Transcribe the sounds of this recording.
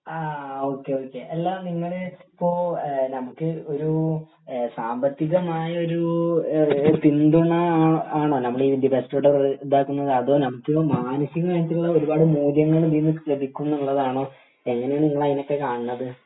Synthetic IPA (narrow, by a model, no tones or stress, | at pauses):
aːo̞ːkːe̞oːkːe̞ʔɐlːaniŋːɐɭipːo̞ːnɐmukːɨo̞ɾu | saːmbɐt̪ːiɣɐmaːjɐo̞ɾu | pind̪uɳɐaːɳoːnɐmːɐɽeiːdibestoɽɐred̪aːkːunːɐðɨɐðo̞ːnɐmukːɨmaːnɐsiɣɐŋkaːnit̪ːiuuɭːɐo̞ɾubaːɽɨmuːljɐŋːɐɭdinːɨlɐd̪ʱikʲːunːɐuɭːɐðaːɳo̞ː | e̞ŋːɐneaːɳɨniŋːɐɭɐjɐno̞kːe̞kaːɳɨnːɐðɨ